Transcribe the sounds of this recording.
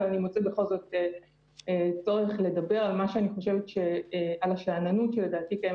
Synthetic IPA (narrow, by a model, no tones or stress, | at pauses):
animot͡sebeχo̞lzo̞te | et͡so̞ʁeχle̞dabe̞ʁalmaʃeaniχo̞ʃevetʃe̞alaʃaːnanutʃeledaːtikae